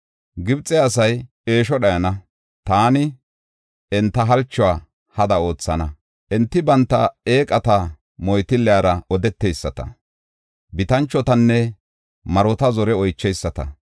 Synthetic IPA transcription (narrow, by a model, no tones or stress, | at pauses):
ɡɪbt͡sʼːɛɐsɐj | e̞ːʃɔɗɐjɐnɐ | t̪aːnɪ | ɛnt̪ːɐɦɐlt͡ʃːʊwaː | hɐd̪ɐo̞ːt͡sːɐnɐ | ʔɛnt̪ːɪbɐnt̪ːɐe̞ːkʼɐt̪ɐ | mɔjt̪ɪlːɛjaɾɐɔd̪ɛt̪ːejsːɐt̪ɐ̰ | bɪt̪ɐnt͡ʃːɔt̪ɐnːɛ | mɐɾɔt̪ɐzɔɾɛɔjt͡ʃːɛjsːɐt̪ɐ̰